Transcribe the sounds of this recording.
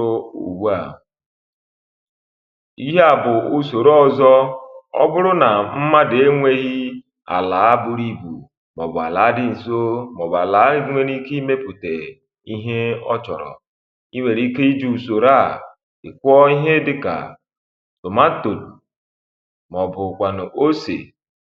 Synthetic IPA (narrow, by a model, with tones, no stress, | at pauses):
ṵ˨wa˦˨ | i˦ɦe˦a˨bʊ˨u˦so˨ɾɔ˦˨zɔ˦ɔ̰˦bʊ˦ɾʊ˦na˨m̩˦ma˦de˦ŋʷe˦ɣi˦ | a̰˨laː˨˦a˦bʊ˨ɾi˦bṵ˨ | mɔ̰˨bʊ˨a̰˨la˨˦dɪ˦n̩˨so˦mɔ˨ba˨la˨˦ŋʷe˦ni˦ki˦me˦pu˨te˨ | i˦ɦe˦ɔ˦t͡ʃɔ̰˨ɾɔ̰˨ | i˦wʷe˨ɾi˦ke˦i˦d͡ʒu˨so˨ɾa˦˨ | ɪ̰˨kʷɔ˦i˦ɦe˦dɪ˦ka̰˨ | to˨ma˦n̩˦to˨dṵ˨ | mɔ˨bʊ˨kʷa˨nʊ˨ʔo˦sḛ˨